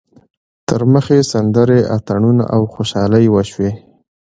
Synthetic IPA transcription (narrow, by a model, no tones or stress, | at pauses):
t̪əɾməxesand̪əɾeʔat̪aɳuna̰ʔawxoʃɑləjwəʃwe